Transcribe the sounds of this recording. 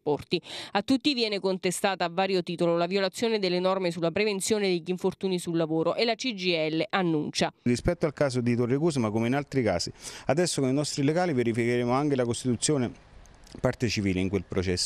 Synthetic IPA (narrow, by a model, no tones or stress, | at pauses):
pɔrt̪iat̪ːut̪ːivjɛːnekont̪est̪aːt̪aːvːaːɾjot̪iːt̪ololavjolat̪sːjoːned̪elːenɔrmesulapɾevent̪sjoːned̪eʎːiɱfort̪uːnisulːavoːɾoʔelat͡ʃid͡ʒiɛlːeʔanːunt͡ʃarispɛt̪ːoalkaːz̬od̪it̪orːekuːs̬makomeinalt̪ɾikaːsiad̪ɛsːokoninɔst̪ɾileɡaːliveɾifikeɾeːmoaŋk̟elakost̪it̪ut̪sːjoːne | part̪et͡ʃiviːleiŋkwelpɾot͡ʃɛsː